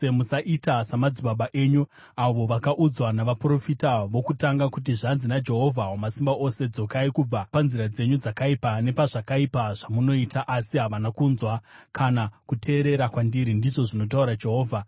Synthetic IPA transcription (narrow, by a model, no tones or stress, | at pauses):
emusaʔitasamad͡ziɓaɓaʔe̞ːɲu | aʋo̞ʋakaʔud͡zwanaʋapro̞fitaʋo̞kutaŋɡakut̬iʐanzinad͡ʒe̞ɦo̞vʱaɦomasimbaʔo̞se̞d͡zo̞kaikub͡vapanziɾad͡ze̞ɲud͡zakaipane̞paʐakaipaʐ̥amuno̞itaʔasiɦaʋanakuːnzwakʰanakutʰe̞ːɾe̞ɾakwandiɾindiʐo̞ʐino̞t̬auɾad͡ʒe̞ɦo̞ːvʱa